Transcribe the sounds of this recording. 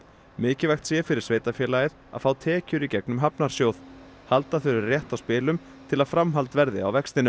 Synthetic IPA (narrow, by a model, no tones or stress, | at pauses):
mɪːcɪvajxt̪sjɛfɪɾɪɾ̥sveːjt̪afjɛːlajɪθa̰ðfaːwt̪ʰɛːcʏɾicɛknʏmɦapnaɾ̥sjoːwð | halt̪aθœɾɪɾrjɛht̪awspɪːlʏm | t̪ʰɪlaðfɾamɦal̪t̪vɛɾðɪa̰wvɛkst̪ɪnʏ